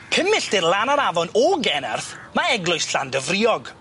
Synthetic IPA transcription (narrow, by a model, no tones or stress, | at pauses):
pʰɪmɪɬd̥ɪrlˠanaɾavɔnɔɡɛnarθ | maɛɡlˠʊjsɬandəvriɔɡ